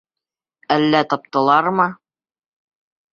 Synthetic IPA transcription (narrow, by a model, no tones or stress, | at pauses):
ælːæt̪ɑp̚t̪ɑlˠɑɾmɤ